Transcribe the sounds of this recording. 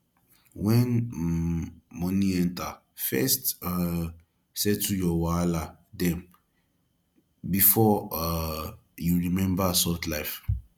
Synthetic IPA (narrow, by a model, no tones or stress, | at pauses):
wɛ̃n | mɔ̃niɛ̃nta | fɛst | sɛtːujɔwala | dɛ̃m | bifɔ | juɹimɛ̃mbasɔtlaɪf